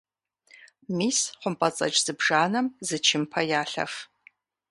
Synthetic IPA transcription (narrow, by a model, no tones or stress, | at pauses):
miːsχʷʊmpʼɐt͡sʼɐ̰t͡ʃʼz̥ɨbʐaːnɐmzɨt͡ʃʰɪmpʰɐjaːɬɐ̰f